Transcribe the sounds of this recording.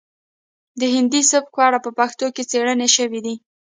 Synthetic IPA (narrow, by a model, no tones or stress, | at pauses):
d̪əɦɪnd̪isʊp̚kwɑɽapəpaxt̪oket͡seɽəneʃəwid̪i